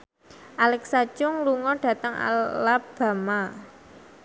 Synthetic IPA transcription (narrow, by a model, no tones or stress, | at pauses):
ʔalɛksat͡ʃʊŋluŋɔɖ̥ä̤t̪əŋa̰lab̥a̤ma